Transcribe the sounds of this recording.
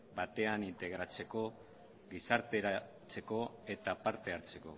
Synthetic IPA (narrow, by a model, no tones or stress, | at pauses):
bat̪e̞anint̪e̞ɣ̞ɾat͡se̞ko̞ | ɡisaɾt̪e̞ɾa | t͡se̞ko̞e̞t̪apaɾt̪e̞aɾt͡se̞ko̞̰